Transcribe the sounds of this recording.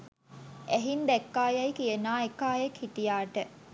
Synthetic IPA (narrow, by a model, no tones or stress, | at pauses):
æɦind̪ɛkːaːjɐjkijənaːekːaːjekʰhiʈijaːʈə